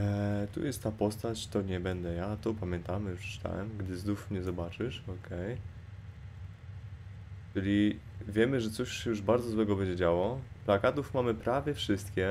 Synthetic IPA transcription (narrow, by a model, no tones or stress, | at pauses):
t̪ṵjɛst̪ːapɔst̪at͡ɕt̪ɔɲɛbɛnd̪ɛjat̪ɔpamʲjɛnt̪amɘjupʂɛ̥t͡ʃɨ̥t̪a̰wɛ̰mɡd̪ɘzd̪ufmɲɛzɔbat͡ʂɘʂɔkʰɛj | t͡ʂɘlʲi | vʲjɛmɘʐɛt̪sɔɕɛjuʐbaɾzɔzwɛɡɔbɛɲd͡ʑɛd͡ʑawɔplakat̪ufmamɘpɾavʲjɛfʂɘst̪kʲɛ